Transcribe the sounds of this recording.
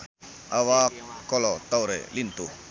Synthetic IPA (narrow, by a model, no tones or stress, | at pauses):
ʔawakkːɔlɔt̪awɾɛ̰lint̪u